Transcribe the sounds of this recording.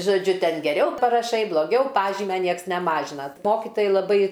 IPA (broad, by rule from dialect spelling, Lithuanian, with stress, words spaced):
ʒoːˈd͡ʒʲʊ ˈtʲɛn ɡʲɛˈrʲɛʊ pɐrɐˈʃɐɪ blˠoːˈɡʲɛʊ ˈpɑːʒʲiːmʲɛ ˈnʲiɛks nʲɛˈmɑːʒʲɪnɐ ˈmoːkʲɪtoːjɛɪ lˠɐˈbɐɪ